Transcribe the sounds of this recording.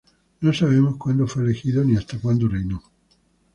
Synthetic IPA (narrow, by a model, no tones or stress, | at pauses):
nõnsaβemokwand̪ofalexiðoniast̪akwand̪orino